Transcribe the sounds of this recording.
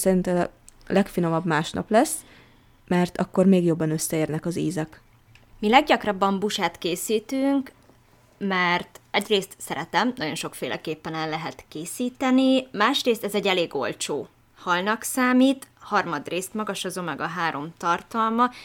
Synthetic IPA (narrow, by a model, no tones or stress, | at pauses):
sɛɾint̪ɛ | lɛkfino̞mɒbmaːʃnɒ̰plɛsː | mɛrt̪ɒkːormeːɡjo̞bːɒnøsːɛeːrnɛkɒziːzɛk | milɛɡɟɒkrɒbːɒmbuʃaːt̪keːsiːt̪yŋk | mɛrt̪ɛɟreːst̪sɛɾɛt̪ɛmnɒɟo̞nʃo̞kfeːlʔɛ̰keːpːɛnɛlːɛɦɛt̪keːsiːt̪ɛnimaːʃreːst̪ɛzɛɟːɛleːɡo̞̰lt͡ʃoː | hɒlnɒksaːmiːt̪hɒrmɒd̪reːst̪mɒɡɒʃɒzoːmɛɡɒɦaːɾʔo̞mt̪ɒrt̪ɒlmɒ